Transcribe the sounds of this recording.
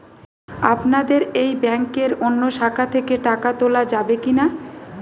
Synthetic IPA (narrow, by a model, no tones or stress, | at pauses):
apnad̪eɾejbɛŋkeɾonːoʃakʰat̪ʰekeʈakat̪olad͡ʑabekina